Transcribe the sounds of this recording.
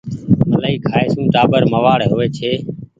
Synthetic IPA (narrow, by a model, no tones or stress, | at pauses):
məlaːiːkʰaːeːsũːʈaːbəɾməʋaːɽɦoːeːt͡ʃʰeː